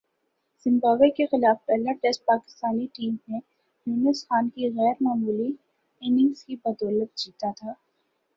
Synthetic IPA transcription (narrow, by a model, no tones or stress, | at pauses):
z̥ɪ̃mbaːʋekexɪlaːfpɛːləʈɛsʈ̚paːkɪ̥st̪aːniʈiːmːẽ | juːnəsxaːnkiɣɛːɾmaːmuːli | ɪnɪ̃ŋɡskibɐd̪ɔːlət̪̚d͡ʒiːt̪at̪ʰaː